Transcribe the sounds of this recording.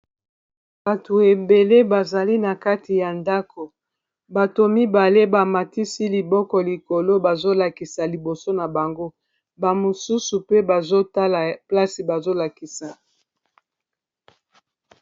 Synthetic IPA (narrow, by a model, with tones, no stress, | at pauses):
b̥a˨tu˨e˨be˨le˦ba˨za˨li˦na˨ka˦ti˨ja˨nda˦ko˨ | ba˨to˨mi˦ba˨le˦ba˨ma˨ti˦si˦li˨bɔ˦kɔ˨li˨ko˨lo˦ba˨zo˦la˨ki˨sa˨li˨bo˨so˦na˨ba˨ŋɡo˦ | ba˨mo˨su˦su˨pe˦ba˨zo˦ta˦la˨pla˦si˨ba˨zo˦la˨ki˨sa˨